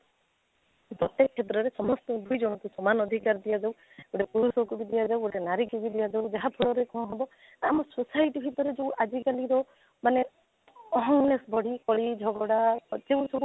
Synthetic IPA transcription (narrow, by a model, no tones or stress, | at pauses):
d̪ɔt̪ekʰːet̪ɾɔɾesɔmɔst̪ɔd̪ʱujd͡ʒɔɽ̃ɔt̪usɔmanɔd̪ʱikaɾd̪ijad͡ʒaw | ɡoɽepuɾusɔkubid̪ijad͡ʒawɡoɽenaɾikubid̪ijad͡ʒaud͡ʒaɦap̪ʰɔɽɔɾekɔ̃ɦɔbɔ | amɔsosajʈibʱit̪ɔɾed͡ʒeũʔad͡ʒikaliɾɔ | mane | ɔɦɔŋnesbʱɔɽikɔɭid͡ʒʱɔɡɔɽad͡ʒeũsɔbu